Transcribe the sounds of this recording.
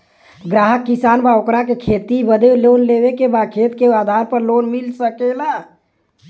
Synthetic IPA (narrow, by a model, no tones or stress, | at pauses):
ɡɾaːɦəkːisaːnbaokɾakekʰet̪ibəd̪elonlebekebakʰet̪kead̪ʱaɾpəɾlonmilsəkela